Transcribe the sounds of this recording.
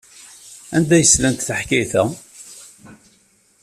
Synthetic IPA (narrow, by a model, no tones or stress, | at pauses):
ænd̪æjəslænt̪θəħkiθæ